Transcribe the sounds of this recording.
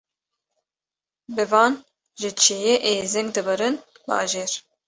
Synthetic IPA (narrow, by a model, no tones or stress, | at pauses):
bɨvɑːn | ʒɨt͡ʃʰejeʔeːzɪŋɡd̪ɨbɨɾɨn | bɑ̰ːʒeːɾ